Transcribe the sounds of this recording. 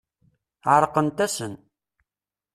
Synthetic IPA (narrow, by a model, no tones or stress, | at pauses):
ʕəɾˤqənt̪æsən